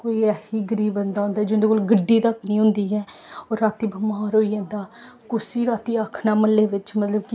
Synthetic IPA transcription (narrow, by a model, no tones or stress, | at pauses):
koːiːɛːhiːɡəɾiːbə̃nd̪aːõnd̪aːd͡ʒʊ̃nd̪eːkoːlɡəɖːiːt̪əknĩːɦʊ̃nd̪iːɦɛːoːɾːaːt̪iːbəmaːɾoːiːãːnd̪aː | kʊsiːɾaːt̪iːaːkʰnaːməleːʋɪt͡ʃmət̪ləbki